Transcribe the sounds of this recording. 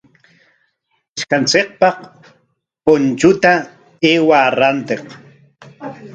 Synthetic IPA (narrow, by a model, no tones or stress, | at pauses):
ɪʃkant͡seq̚pɑq | pont͡ʃʊt̪a | eːwaːɾant̪eq